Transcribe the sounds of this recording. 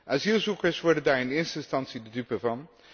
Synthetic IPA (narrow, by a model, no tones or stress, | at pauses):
ʔazilˠzukəɹsʋɔɹdəndaːɹɪnɪːɹstəɪnstɑntsidədypəvɑn